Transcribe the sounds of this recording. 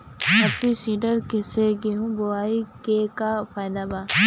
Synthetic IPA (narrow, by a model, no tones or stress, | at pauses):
ɐpːisiːɖəɾkeseɡeɦũboaːikekafaːjd̪abaː